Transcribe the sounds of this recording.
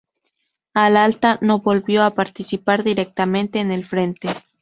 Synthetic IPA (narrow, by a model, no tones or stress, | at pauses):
alalt̪ano̞βo̞lbjo̞apaɾt̪isipaɾðiɾek̚t̪amẽ̞nt̪e̞ːne̞lfɾe̞nt̪e